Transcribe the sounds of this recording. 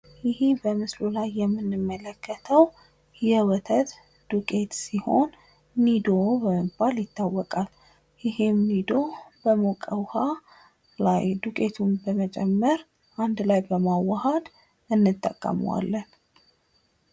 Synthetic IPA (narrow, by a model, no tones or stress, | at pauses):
jɪhebəmɨslulajːɛmːɨnːɨmːələkːət̪ʰəw | jɛwɔt̪ʰət̪ | d̪̥ukʼe̞t̪siho̞̰nː | id̪obəməbaljɪt̪ʰːawːɔkʼal | jɪhemːid̪o̞bəmokʼəwha | la̰jd̪ukʼe̞t̪ʰumbəmət͡ʃʼɛmːəɾ | ʔand̪lajbəmawahəd̪ | ʔɨnːɨt̪ʼːə̰kʼːə̰m̰wa̰lːən